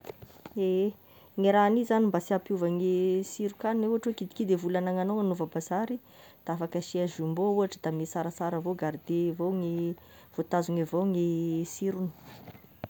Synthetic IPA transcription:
e | ŋiɾanizanimbasiapjuvaŋesiɾukanunewɦaʈ͡ʂwekid̪ikid̪evulanaŋanoŋanuvabazaɾi | d̪̥aafakəʃiaʒumbouaʈ͡ʂəd̪amesaɾasaɾəvoɡaɾd̪evoŋi | v̥ot̪azuŋevoŋesiɾuni̥

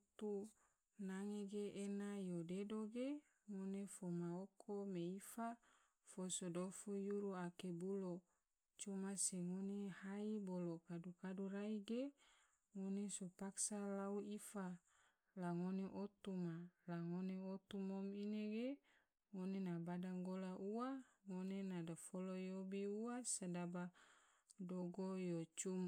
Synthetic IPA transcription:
t̪u | naŋeɡeʔenajodedoɡe | ŋonefomaokʰomeifa | fosodofujuɾuakebulo | t͡ʃomaseŋonehaibolokadukaduɾaiɡe | ŋonesopaksalauifa | laŋoneʔot̪umalaŋoneot̪umomineɡe | ŋonenabadaŋɡolaʔuaŋonenadafolojobiuasadaba | doɡojot͡ʃum

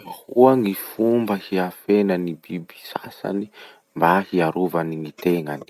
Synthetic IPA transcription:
huaŋifumbəhiafenanibibi̥sa̰sa̰ni | mbahiaɾuvaniŋit̪eŋani̥

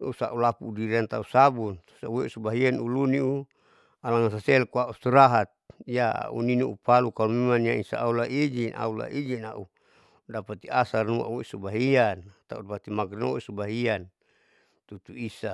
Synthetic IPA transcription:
usa̰ʔulapuːdiɾiant̪ausabuntu̥saweusubaɦianuluniu | alaŋas̬asɛlkuaust̪iɾaɦat̪̚jaa̰ʔṵninuʔupalukalumemaniaisa̰ːulaʔid͡ʒinʔa̰ula̰ʔid͡ʒinaʔu | dapat̪iasarnua̰ʔweisubaɦiant̪audapat̪imaɡno̰isubaɦian | t̪ut̪uisa

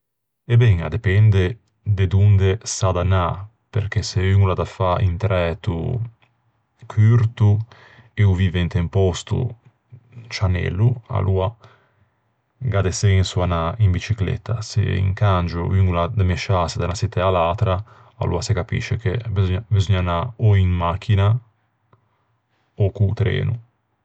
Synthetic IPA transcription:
ebɛŋa̰d̪epɛnd̪e | d̪ed̪und̪esad̪ana | pḛɾkeseyŋulad̪afaḭnt̪ɾɛt̪ṵ | kʰyɾt̪u | euviːveint̪empɔst̪ṵ | t͡ʃanɛ̰lːua̰lʔua | ɡad̪eseinsuanaimbit͡ʃiklḛt̪ːasḛḭŋkand͡ʒo̰yŋɡulad̪amɛʃased̪anasit̪ɛalat̪ɾa | a̰lṵasekapḭʃːekebizoɲabizoɲanaoiŋmak̟ʰːina | okut̪ɾɛ̰ːnu

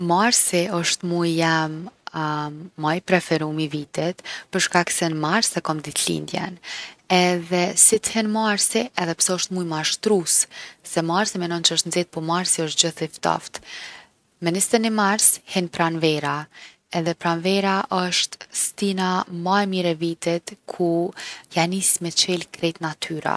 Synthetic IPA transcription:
maɾsiɔʃt̪mujjɛm | ajpɾɛfɛɾumivit̪ɛt̪pəɾʃkaksɛnmaɾsɛkɔmd̪it̪lḭnd̪jɛ̰nɛðɛsit̪hɛnmaɾsiɛðɛpsɛɔʃt̪mujmaʃt̪ɾussɛmaɾsimɛnɔnt͡ʃəəʃt̪nzɛt̪̚pɔmaɾsiəʃt̪̚d͡ʑəθift̪ɔ̰ft̪ | mɛnist̪ɛnɛmaɾshɛnpɾanvɛɾa | ɛðɛpɾanvɛɾaʔɔʃt̪st̪inamaɛmiɾɛvit̪ɛt̪kʰujanismɛt͡ʃɛlkɾɛjt̪nat̪ʰyɾa̰

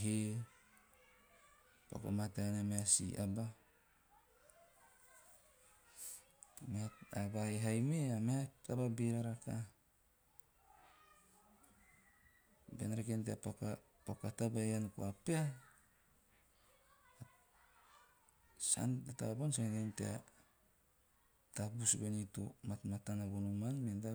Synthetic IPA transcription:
ɦe | po̰ko̰mateanameasḭʔa̰ba | meaabaeɦajmeameatababiɾaɾaka | bḛnɾekenteapaka | pakatabajankṵapea | sa̰ndata̰bonsaŋɡentea | tabusbenitṵmatmatanabonumanmenda

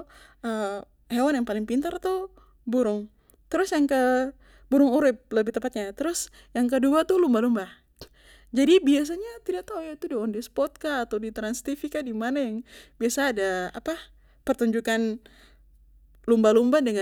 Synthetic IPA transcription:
ə | hewanjaŋpalɪŋpint̪art̪u | buɾʊŋ | t̪əɾʊsjaŋkə | buɾʊŋuɾɪp̚ləbɪht̪əmpat̪̚ɲat̪əɾʊs | jaŋk̬əduat̪ulumbalumba | d͡ʒadibias̬aɲat̪idat̪ajat̪udiɔndispɔt̪̚kaːt̪awdit̪ɾanst̪ifikadimanajaŋbiasaːdaa̰pa | pərt̪uɲd͡ʒukan | lumbalumbadəŋa

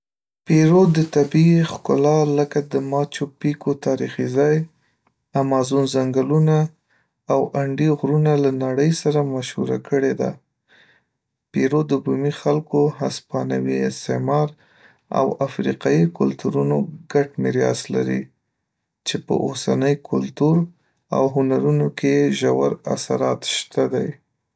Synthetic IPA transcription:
peɾod̪ət̪abixkʊlɑləkad̪əmɑt͡ʃopikot̪ɑɾixizɑj | amɑzunzaŋɡalunaː | waɳɖiɣɾunalanaɽəjsaɾamaʃhṵɾa̰kəɽed̪a̰ | peɾod̪əbumixalkoɦaspɑnawiɪst̪emɑɾ | a̰wafɾiqɑjikʊlt̪uɾunoɡaʈmɪɾjɑ̰sla̰ɾḭ | t͡ʃepə̰ʔosanəjkʰʊlt̪uɾ | a̰wɦʊnaɾunokejeʒawaɾa̰saɾɑt̪ʃt̪ad̪aj

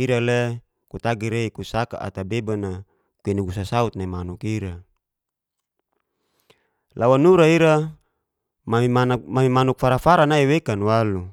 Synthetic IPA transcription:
iɾalɛ | kut̪aɡiɾeikusaka̰ʔa̰t̪abebana | kuinuɡusasaut̪̚namanukiɾa | lawanuɾaiɾa | mmamimanuk̚faɾafaɾanaiwekanwalu

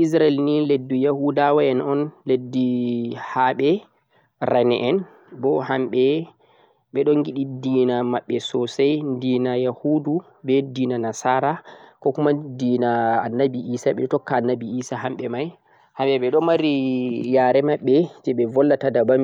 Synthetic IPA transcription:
ʔis̬ɾaɛlniledːujahudawaɛnɔnledːihaɓɛ | ɾanɛʔɛn | bɔhamɓɛ | ɓɛɗɔnɡiɗidiːnamaɓːɛsɔsajndiːnajahudu | bɛdiːnanasaɾakɔkumadiːna̰ːnːabiʔisaɓɛɔtɔkːaːnːabiiːsaɦamɓɛmaj | hamɓɛɓɛɗɔmaɾijaɾɛmaɓːɛd͡ʒɛɓɛvɔlːatadabam

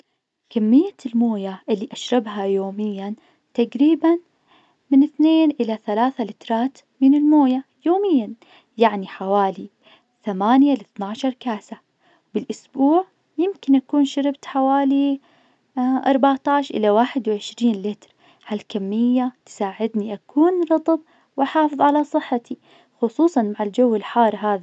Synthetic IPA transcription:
kamːɪjːalmoːjaʔɪlːiʔaʃɾˤɑbɦajoːmɪjːan | t̪aɡɾiːban | mɪnɪθneːnʔɪlaθalaːθalɪt̪ɾˤɑːt̪ | mɪnɪlmoːjajoːmɪjːan | jaʕniħawaːli | θamaːnjalɪθnaʕʃɑɾˤkaːsa | bɪlʔʊsbuːʕ | jɪmkɪnʔakuːnʃaɾɪbt̪ħawaːli | ʔɑ̰ɾˤbaʕt̪aʕʃʔɪ̰lawaːħɪd̪wʕɪʃɾiːnlɪt̪ɾ | halkamːɪjːat̪saːʕɪd̪niʔakuːnɾɑt̪ˤɑb̚ | wʔaħɑːfɨðˤʕalasˤɨħːat̪ʰi | xʊsˤuːsˤɑnmaʕɪld͡ʒawːɪlħɑːɾˤɦaːða

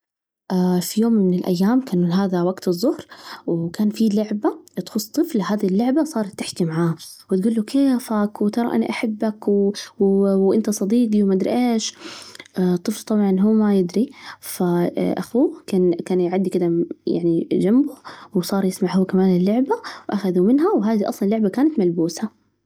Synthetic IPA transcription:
ʔafijoːmːɪnɪlʔa̰jːaːmkaːnulɦaːðawaɡt̪ɨzˤːʊhɾwkaːnfilʊʕbat̪xʊsˤt̪ˤːɨflhaːðilːʊʕbasˤɑːɾˤt̪ːaħt̪imaʕaːwɪt̪̚ɡuːlːukʰeːfakwt̪ɑɾˤɑ̰ʔa̰naʔaħabːakwwwʔɪnt̪asˤɑd̪iːɡiwmaʔd̪ɾʔeːʃ | t̪ˤːɨflt̪ˤɑbʕɑnɦuːmajɪd̪ɾifaʔa̰xuːkaːnkaːnjʕad̪ːikɪd̪aja̰ʕnid͡ʒambʊwsˤɑːɾˤjɪsmaʕhʊwːkamaːnɪlːʊʕbawʔaxaðumɪnɦawɦaːðiʔɑ̰sˤlɑnlːʊʕbakaːnat̪malbuːsa

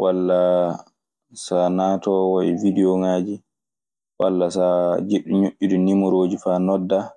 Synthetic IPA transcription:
walːa | sanatɔwaividɛɔŋaːd͡ʒi | walːasad͡ʒeɗuɲuʔʲːidunimuɾoːd͡ʒifanɔdːa

